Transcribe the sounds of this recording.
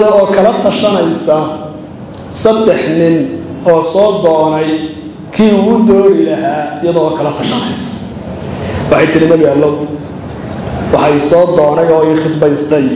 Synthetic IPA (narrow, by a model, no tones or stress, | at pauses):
ðɔɔːkʰɐlɐt̪ʰɐʃɐnɛjsɐ | sɐd̪ɛħnɪn | ɔːsɔːd̪ɔːnɛj | kʰiːʊɣʊd̪ɔːɣɪlɐɦaːɪjɐðɔːkʰɐlɐt̪ʰɐʃɐnɛ̰jsɐ̥ | wɑħɑjt̪ʰɪɾɪmɐɣjaːlːɔw | wɑħɑisɔːd̪ɔːnɛjɔːiχɪd̪bɛjst̪ʰɐj